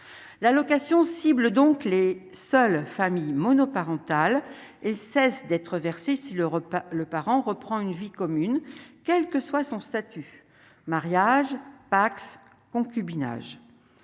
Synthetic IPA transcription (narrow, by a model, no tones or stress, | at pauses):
lalɔkasjɔ̃sibld̪ɔ̃klesœlfamijmɔnɔpaʁɑ̃t̪al | ɛlsɛsd̪ɛt̪χəvɛʁsesiləpaʁɑ̃ʁəpχɑ̃ynvikɔmynkʲɛlkəswasɔ̃st̪at̪y | maʁjaʒpaks | kɔ̃kʲybina̰ʒ